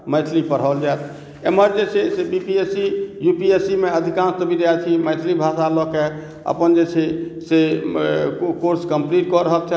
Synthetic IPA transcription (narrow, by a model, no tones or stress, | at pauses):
məjt̪ʰlipəɽ̤ɔld͡ʒaet̪ʰ | eməɾd͡ʒet͡ʃʰɛsebipiesijupiesimeəd̪ʱikãnst̪ɔbʱiɾat͡ʃʰiməjt̪ʰlibʱasalɔke | ə̰pənd͡ʒet͡ʃʰɛse | koɾskəmpliʈ̚kɔɾəɦək̚t͡ʃʰɛ